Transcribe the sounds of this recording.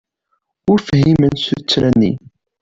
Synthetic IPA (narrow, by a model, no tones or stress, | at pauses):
ʊɾfhimənsut͡sːɾænːḭ